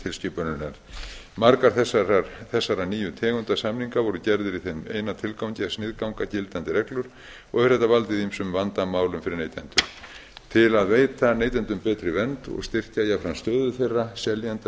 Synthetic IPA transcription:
t̪ʰɪlscʏːpʏɾnʏlɛ | maɾkaɾθɛsaɾθɛsːaɾaniːjʏt̪ʰɛːɣʏnt̪asamniŋkavɔɾʏcɛɾðɪɾiθenmḛːjnat̪ʰɪlkawɲcɪasnɪðkawŋkacɪlt̪ant̪ɪɾɛklʏɾ̥ | ɔɣɛɾ̥θɛht̪ːavalt̪ɪðimsʏmvant̪amaːwlʏmfɪɾɪɾneːjt̪ɛnt̪ʏɾ̥t̪ʰɪlaðveːjt̪aneːjt̪ɛnt̪ʏmpɛːt̪ɾɪvɛnt̪ɔ̰ɣst̪ɪr̥cajafɾanst̪œːðʏθejrːasɛljant̪

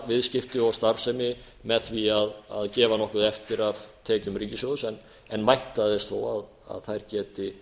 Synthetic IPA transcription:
vɪðscɪft̪ʏɔɣst̪aɾsɛmɪ | mɛðθviaða̰ðcɛːvanɔhkʏðɛft̪ɪɾav̥t̪ʰɛːcʏmɾriːcɪsjowðsɛn | ɛnmajht̪aðɪst̪θowað | a̰ðθajɾcɛːt̪ɪ

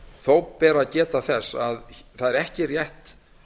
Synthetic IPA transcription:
θowpɛːɾacɛːt̪aθɛsːaðθaðɛɾɛhcɪrjɛht̪

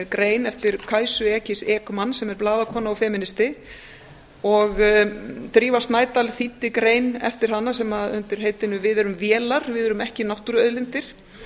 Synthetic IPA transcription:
kɾeːjnɛft̪ɪɾ̥kʰaːjsʏɛːcɪsɛːkmanːsɛmɛɾplaːðakʰɔːnaɔfɛːmɪnɪst̪ɪ | ɔɣ | t̪ɾiːvast̪naːjt̪alθit̪ːɪkɾeːjnɛ̰ft̪ɪɾ̥ɦanːasɛmaðʏ̰nt̪ɪɾ̥ɦeːjt̪ɪnːʏvɪðɛɾʏmvjɛːlaɾ̥vɪðɛɾʏmɛhcɪnawht̪uɾœðlɪnt̪ɪɾ̥

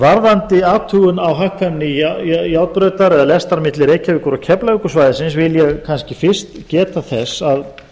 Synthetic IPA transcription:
vaɾðant̪ɪaːt̪ʰuʏnawɦahkanːɪjawt̪̚pɾœːɥt̪aɾɛðalɛst̪aɾmɪt̪lɪɾeːjcavɪkʏɾawcʰɛplaʏkʏsvaːjðɪsɪnsvɪljɛɣkʰanscɪfɪr̥st̪cɛːt̪aθɛsað

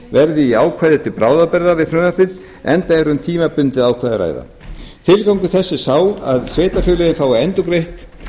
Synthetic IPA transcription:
vɛɾðɪiaːwkʰvajðɪt̪ʰɪlpɾaːwðapɛɾðavɪðfɾʏnapɪð | ɛnt̪aɛɾʏmt̪ʰiːmapʏnt̪ɪðaːwkʰvajðɪɾa̰ːjða̰ | t̪ʰɪlkawŋkʏθɛsːɪ̥saːwa̰ðsveːjt̪afjʏːlɛɣɪnfaːwvaɛnt̪ʏkɾejht̪

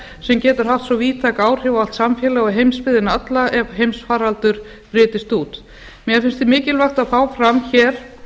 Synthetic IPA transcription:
sɛmcɛːt̪ʏɾ̥ɦaft̪sɔviːt̪ʰakaːwr̥ʏval̥t̪samfjɛːlaɣɔɦejmspɪðɪnaat̪laʔɛvɦejmsfaːɾalt̪ʏɾ̥ | pɾɪːt̪ɪst̪uːt̪ | mjɛfɪnst̪θɪmɪːcɪlvaxt̪aðfaːwfɾamçɛːɾ̥

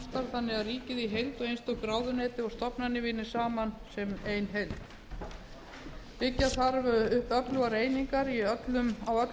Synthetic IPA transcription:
st̪aɾ̥θanːɪɣaðriːcɪðiɦejlt̪ɔɣejnst̪ɔkɾaːwðʏnɛːt̪ɪɔɣst̪ɔpnanːɪvɪːnːɪ̥saːmansɛmejnɦejlt̪ | vɪcːaθaɾvʏʏhpœplʏwaɾeːjniŋkaɾiœt̪lʏmawœt̪

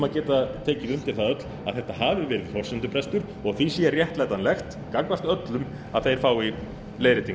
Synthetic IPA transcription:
maðcɛːt̪at̪ʰeːjcɪðʏmt̪ɪlθaðœt̪l | aðθɛht̪ahaːvʏvɛːɾɪðhɔr̥sɪnt̪ʏpʰɾɛst̪ʏɾ̥ | ɔɣθisiɪrjɛht̪lajt̪anlɛxt̪ | kakvast̪œt̪lʏm | aðθejɾ̥faːwi | leːjɾɪt̪iŋ

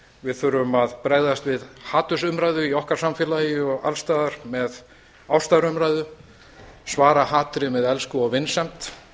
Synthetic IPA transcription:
vɪðθʏɾʏmaðpɾeːjðast̪vɪðhaːt̪ʏsʏmɾaːjðʏiɔhkaɾ̥samfjɪlajʏɔɣa̰lst̪aːðaɾ̥mɛð | awst̪aːðɾʏmɾajðʏ | svaːɾahaːt̪ɾɪmɛðɛlskʏɔɣvɪnsɛm̥t̪

